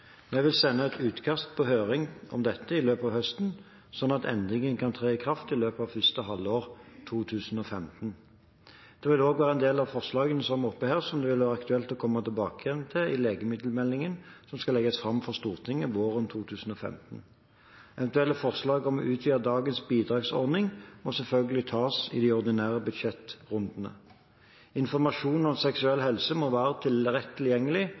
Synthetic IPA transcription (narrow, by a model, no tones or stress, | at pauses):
mɛʋɪlsɛnːəɛt̪ʰʉːt̪kʰɑst̪̚pʰɔɦøːʁɪŋɔ̰md̪ɛt̪ːəɪløːpɑʋhœst̪n̩ | sɔnːɑt̪ʰɛ̰nd̪ʁɪŋənkʰɑnt̪ʰʁeːɪkʰʁɑft̪ɪløːpəɑʋfʏst̪əɦɑlːoːʁt̪ʰuːt̪ʰʉːsn̩ɔfɛmt̪n | d̪̥ɛʋɪloːɡʋæːʁəɛnd̪eːlɑʋfɔʁslɑːɡənəsɔmɔpːəheːʁsɔmd̪ɛʋɪlʋæːʁəɑkt̪ʉɛlt̪ɔkʰɔmːət̪ɪlbɑːkəjɛnt̪ʰɪlɪleːɡəmɪd̪lmɛlːɪŋənsɔmskɑlɛɡəsfʁɑmfɔʁst̪uːʁt̪ʰɪŋːəʋoːʁənt̪ʰuːt̪ʰʉːsn̩ɔːfɛ̰mt̪n̩ | ɛʋɛnt̪ʉɛlːəfɔʁslɑːɡɔmɔʔʉːt̪ʰʋiːɑd̪ɑːɡənsbiːd̪ʁɑːɡsɔ̰ʁnɪŋmɔsɛlfœlɡəlɪt̪ʰɑːsɪ̰d̪æɔʁd̪ɪnæːʁəbʉd̪ʃɛt̪ʁʊnd̪nə̰ | ɪnfɔʁmɑʂuːnɔmsɛksʉɛlːhɛlsəmɔʋæːʁət̪ʰɪlʁɛt̪ʰːɪljɛŋːəlɪ